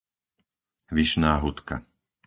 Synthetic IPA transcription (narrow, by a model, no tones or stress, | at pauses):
ʋiʃnaːɦut̪ka̰